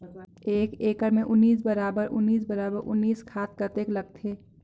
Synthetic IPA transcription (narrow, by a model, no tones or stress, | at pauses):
eːkeːkəɾmẽʔʊnːiːsbɐɾaːbəɾʊ̰nːiːs̬bɐɾaːbəɾʔʊ̰nːiːskʰaːt̪̚kət̪eːklɐɡ̚t̪ʰeː